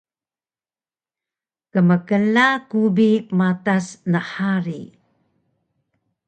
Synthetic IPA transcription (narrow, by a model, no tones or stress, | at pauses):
kəməkəlakubimatasnəħaɾi